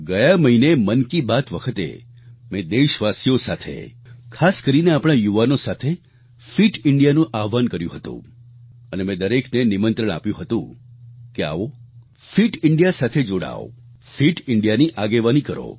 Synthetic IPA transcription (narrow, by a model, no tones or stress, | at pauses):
ɡəjaməɦinemənkibat̪ʋəkʰət̪ḛ | mẽd̪eʃʋasijosat̪ʰḛkʰaskəɾineapɽ̃ajuʋanosat̪ʰe | fiʈɪɳɖijanũʔaʋankəɾjṵ̃ɦət̪ṵ̃ənemẽd̪əɾeknenimənt̪ɾəɽ̃a̰pjũɦət̪ũkea̰ʋo | fiʈɪɳɖijasat̪ʰed͡ʒoɽa̰o̰ | fiʈɪɳɖijaniʔaɡeʋanikəɾo̰